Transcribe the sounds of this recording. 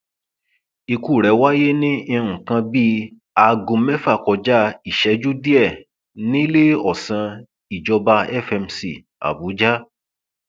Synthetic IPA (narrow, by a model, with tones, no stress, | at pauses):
i˧ku˦˨ɾɛ˨˦wa˦je˦nĩ˦ĩ˧ɾũ˨kã˧bi˦ | a˧ɡũ˧mɛ˦fa˦˨kɔ˧d͡ʒa˦i˨ʃɛ˨˦d͡ʒu˦di˦ɛ˦˨ | nĩ˦le˦ɔ˦˨sã˧ | i˨d͡ʒɔ˧ba˧ɛ˦˨fɛ˧msḭ˨ | a̰˨bu˨˦d͡ʒa˦